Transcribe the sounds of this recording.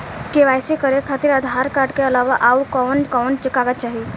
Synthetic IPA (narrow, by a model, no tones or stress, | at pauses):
keʋajsekəɾekʰat̪iːɾəd̪ʱɦaɾkaʈkeəlaʋaʔaukɔʋɳkɔʋnt͡ɕikaɡat̪t͡ʃaɦi